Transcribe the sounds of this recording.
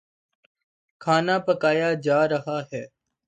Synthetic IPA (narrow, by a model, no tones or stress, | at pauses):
kʰaːnaːpəkaːjaːd͡ʒaːɾəɦaːɦɛː